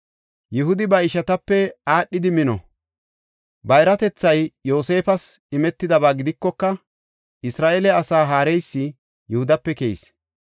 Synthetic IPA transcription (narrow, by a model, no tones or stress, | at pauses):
jɪɦʊd̪ɪbɐɪʃɐt̪ɐpːɛaːɗːɪd̪ɪmɪnɔ̰ | bɐjɾɐt̪ɛt͡sːɐjjo̞ːse̞ːfɐsɪmɛt̪ːɪd̪ɐbaːɡɪd̪ɪkːɔkːɐ | ʔɪsɾaːʔelɛɐsaːɦaːɾɛjsːɪ | jʊhʊd̪ɐpːɛkej̰s